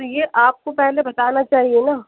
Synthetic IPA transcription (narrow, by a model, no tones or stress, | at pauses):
jeʔaːp̚kopɛɦlebɐt̪aːnat͡ʃaːɦienaː